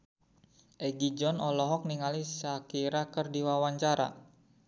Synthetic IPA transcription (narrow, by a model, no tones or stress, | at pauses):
ʔɛɡid͡ʒɔnɔlɔɦɔk̚niŋalisakiɾakərdiwawaɲt͡ʃaɾa̰